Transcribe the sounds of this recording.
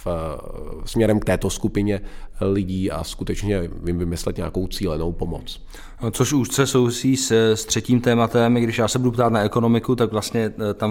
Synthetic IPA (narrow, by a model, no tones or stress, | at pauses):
f | smɲɛɾɛmk̚t̪ɛːt̪oskupɪɲɛlɪɟiːʔa̰skut̪ɛt͡ʃɲɛvɪmvɪmɪslɛt̪ɲaako̞wt͡siːlɛnowpomot͡s | t͡soʃuʃt͡sɛso̞wvɪsiːsst̪r̝̥ɛciːmt̪ɛːmat̪ɛmɡdɪʃjaːsɛbudupt̪aːt̪naɛko̞no̞mɪkut̪akvlast̪ɲɛt̪am